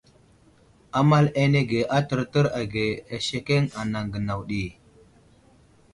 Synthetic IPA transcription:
a˦ma˦le˦ne˦ɡe˨ʔa˦tə˨ɾtə˦ɾa˨ɡe˨a˨ʃe˦ke˦ŋa˨na˨ŋɡə˨na˨wɗi˨

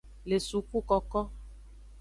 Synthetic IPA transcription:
le˨su˨ku˦kɔ˨kɔ˦

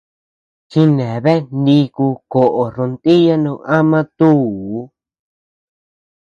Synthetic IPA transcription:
ki˧nẽ˨βe˦nĩ˧ku˧ko˨ʔo˨ɾõ˧nt̪i˦ja˦nũ˧ʔa˦mã˦t̪u˦˨˦

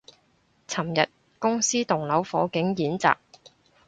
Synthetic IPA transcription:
t͡sʰɐ˨˩mjɐ˨t̚ | kʊ˥ŋsiː˥t̪ʊ˨˩ŋlɐ˨˥wfɔː˨˥kɪ˨˥ŋjiː˨˥nt͡sa̰ː˨k̚

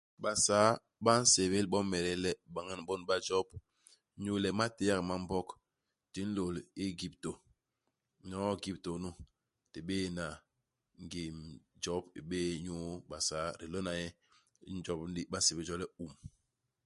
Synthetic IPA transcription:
ɓa˨sa˨˦ | ɓa˦n̩˦se˨βe˦lɓɔ˦mɛ˨ɾɛ˦lɛ˦ɓa˨ŋa˦nɓɔ˦nɓa˦d͡ʒɔ˦b̚ | ɲu˦lɛ˨ma˦te˦ja˦kma˦m̩˦bɔ˦k | ti˨˦n̩˦lo˨li˦ɡi˨p̚to˨ | ɲɔ˨˦ɡi˦˨p̚to˨nu˦ | ti˨ɓe˦˨na˨ | ŋɡi˨md͡ʒɔ˦bḭ˨ɓeː˦ɲu˦ɓa˨sa˨˦ɾi˨lo˦na˨jɛ˦ | n˦d͡ʒɔ˦bn˦di˦ɓa˦n̩˦se˨be˨˦d͡ʒɔ˦lɛ˦u˨m

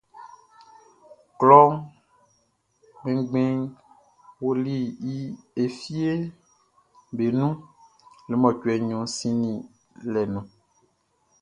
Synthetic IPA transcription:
klɔ˦ŋ | ɡ͡bẽ˦ɡ͡bẽ˦ŋ | wo˦li˦ji˦e˨fi˦e˦ | be˨nũ˦ | le˨mɔ̃˨cu˨ɛ˨ɲɔ̃˨sĩ˦nĩ˨ | lɛ˨nũ˨

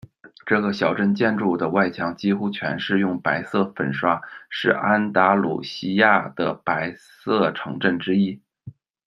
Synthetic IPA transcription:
ʈ͡ʂɤ˥˩ɡə˩ɕjɑ˨˩ʊʈ͡ʂə˥˧nt͡ɕjɛ˥˧nʈ͡ʂu˥˩d̪ə˩wa˥˩ɪt͡ɕʰjɑ˧˥ŋt͡ɕi˥xu˥t͡ɕʰɥɛ̰˧˥nʂɻ̩˥˧jʊ˥˩ŋpa˧˥ɪsɤ˥˩fə̰˨˩nʂwa˥ʂɻ̩˥˩a˥nt̪a˧˥lṵ˨˩ɕi˥ja˥˩d̪̥ə̰˩pa˧˥ɪ | sɤ˥˩ʈ͡ʂʰɤ̰˧˥ŋʈ͡ʂə˥˩nʈ͡ʂɻ̩˥i˥

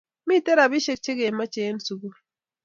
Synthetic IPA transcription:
mi˦te˦ɾa˨βi˦ʃe˨k̚t͡ʃe˦ɡe˨ma˦t͡ʃe˨˦nsu˨ɡu˦

